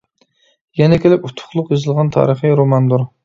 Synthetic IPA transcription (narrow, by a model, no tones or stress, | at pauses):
jɛnɛkʲʰelɪput̪ʰːʊ̥χlˠʊqjozɨlˠʁɑnt̪ʰɑ̰ːɾəχiɾomɑnd̪uɾ